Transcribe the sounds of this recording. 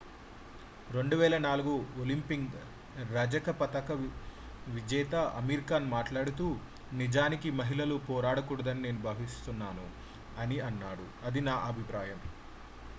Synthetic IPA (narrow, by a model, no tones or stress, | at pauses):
ɾe̞ɳɖuʋɛːlɐnaːluɡuolimpiŋɡ | ɾɐd͡ʒɐkɐpɐt̪ɐkɐ | ʋid͡ʒɛːt̪ɐʔɐ̰miːɾikaːnumaːʈlaːɽut̪uː | nid͡ʒaːnikimɐɦilɐlupɔːɾaːɽɐkuːɽɐd̪ɐnine̞ːnubʱaːʋist̪unːaːnu | ɐniɐnːaːɽu | ɐd̪inaːʔɐbʱipɾaːjɐm